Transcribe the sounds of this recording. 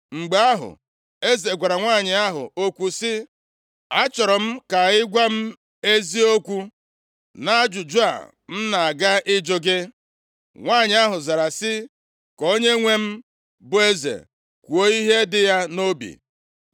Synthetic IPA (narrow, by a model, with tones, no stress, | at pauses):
ŋ͡m̩˨ɡ͡ba˦ɦʊ̰˨ | e˦ze˨ɡʷa˨ɾa˨ŋʷa˦˨ɲɪ˨a˦ɦʊ̰˨o˦kʷu˦sɪ˦ | a˦t͡ʃɔ˨ɾɔ˨m̩˦ka˨ɪ˦ɡʷa˦m̩˦ | e˦zi˦o˦kʷu˦ | na˦a˦d͡ʒʊ˨d͡ʒu˦a̰˨ | m̩˦na˨a˨ɡa˦ʔɪ˦d͡ʒo˦ɡɪ˦ | ŋʷa˦˨ɲɪ˨˦a˦ɦʊ˨za˨ɾa˨sɪ˦ | ko˦ɲe˦ŋʷe˦m̩˦ | bʊ˨˦e˦zḛ˨ | kʷu˨o˦i˦ɦe˦dɪ˦ja˦no˦bḭ˨